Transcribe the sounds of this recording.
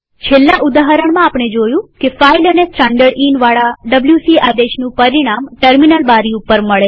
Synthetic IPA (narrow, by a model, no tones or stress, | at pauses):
t͡ʃʰelːaʔʊd̪aɦəɾəɳ̃mãːpɳ̃ed͡ʒojũkefailənesʈãɳɖəɾɖinʋaɭaɖəbljusiʔad̪eʃnũpəɾiɽ̃amʈəɾminəlbaɾiupːəɾməɭe